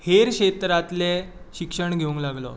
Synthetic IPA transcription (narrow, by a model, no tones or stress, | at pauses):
heɾɕet̪ɾat̪le | ɕikʂəɳɡʱeũŋklaɡlɔ̰